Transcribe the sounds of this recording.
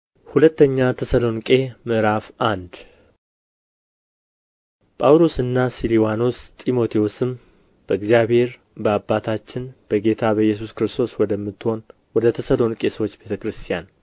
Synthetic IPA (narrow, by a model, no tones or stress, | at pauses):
hulət̪ːəɲːat̪ʰəsəlo̞nkʼe̞mɨʔɾafʔand̪ | pʼawlo̞sɨnːasiliwanost̪ʼimo̞t̪ʰiwusɨm | b̥əɨɡzijaβhe̞ɾ | bəabːat̪ʰat͡ʃːɪnb̥əɡe̞t̪ʰabəjːɛs̬uskɨɾɨst̪ʰo̞swɔd̪əmːɨt̪ːɨho̞n | wɔd̪ət̪ʰəsəlo̞nkʼe̞səwot͡ʃːbe̞t̪ʰəkɾɨst̪ʰijan